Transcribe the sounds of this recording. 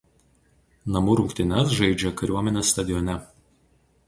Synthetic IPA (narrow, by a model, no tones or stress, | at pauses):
nɐmuɾʊŋʲkt̪ʲɪnʲɛs̬ʒɐɪd͡ʒʲɛkɐɾʲuɔmʲɛnʲeːsːt̪ɐd̪ʲɪjɔnʲɛ